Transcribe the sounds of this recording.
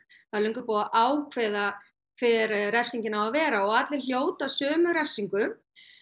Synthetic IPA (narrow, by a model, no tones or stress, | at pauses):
θalœŋkʏpoːwaʔaːwkʰvɛːða | kʰvɛɾrɛfsiɲcɪnhavavɛːɾaɔɣaːt̪lɪl̥joːwt̪asœːmʏɾɛfsiŋkʏ